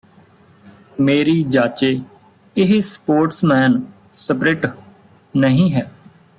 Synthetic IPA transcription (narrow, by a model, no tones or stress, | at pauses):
meːɾiːd͡ʒaːt͡ʃeː | ɪɦspoːɾʈsmɛːn | səpɾeːʈ | nəɦĩːɦɛː